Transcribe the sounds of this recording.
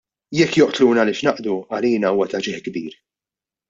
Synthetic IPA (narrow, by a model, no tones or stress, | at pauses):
jɛkːjɔʔt̪luːnɐlɪʃnɐʔd̪uɐliːnɐuːwɐt̪ɐd͡ʒɪħɡbiːɾ